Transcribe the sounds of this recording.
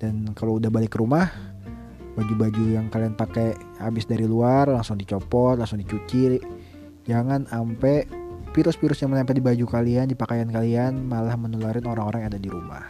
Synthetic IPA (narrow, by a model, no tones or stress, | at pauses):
d̥ankaloudahbalɪkːəɾumah | bad͡ʒubad͡ʒujaŋkalianpakɛ | habɪsdaɾiluarlaŋsʊŋdit͡ʃɔpɔt̪̚laŋsʊŋdit͡ʃut͡ʃi | d͡ʒaŋanampɛfiɾʊspiɾʊsjaŋməɲampɛt̪̚dibad͡ʒukaliandipakajankalianmalahmənəlaɾɪnoɾaŋoɾaŋadadiɾuma̰h